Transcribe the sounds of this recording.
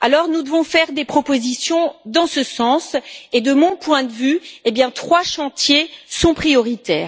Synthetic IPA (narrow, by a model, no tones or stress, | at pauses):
alɔʁnud̪əvɔ̃fɛʁd̪epχɔpozisjɔ̃d̪ɑ̃səsɑ̃sed̪əmɔ̃pwɛ̃d̪əvyebjɛ̃t̪χwaʃɑ̃t̪jesɔ̃pχijɔʁit̪ɛːʁ